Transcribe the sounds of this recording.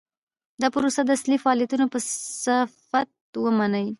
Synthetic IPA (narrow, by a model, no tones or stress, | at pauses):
d̪ɑpəɾosad̪əaslifaɑlijat̪unopəafat̪̚wəmanəj